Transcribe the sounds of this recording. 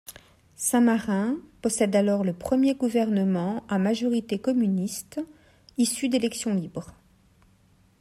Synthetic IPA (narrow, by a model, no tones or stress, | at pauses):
sɛ̃maʁɛ̃pɔsɛd̪alɔʁləpχəmjeɡuvɛʁnəmɑ̃amaʒɔʁit̪ekɔmynist̪ | isyd̪elɛksjɔ̃libʁ